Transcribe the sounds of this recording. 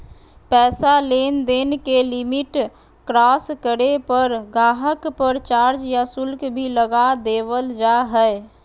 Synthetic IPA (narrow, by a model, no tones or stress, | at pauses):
pɛːsaleːnd̪eːnkelɪmɪʈ | kɾaːskəɽepəɾɡaːɦəkpəɾt͡ʃaːɾd͡ʒjasʊlkbʱiləɡad̪eːʋəld͡ʒaɦɛɛ